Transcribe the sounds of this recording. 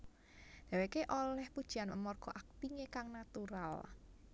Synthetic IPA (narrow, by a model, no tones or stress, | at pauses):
d̪̥a̤wekeʔolɛhpud̥ʒ̥i̤anə̰mɔrɡ̥ɔ̤ʔak̚t̪iŋekaŋnat̪uɾal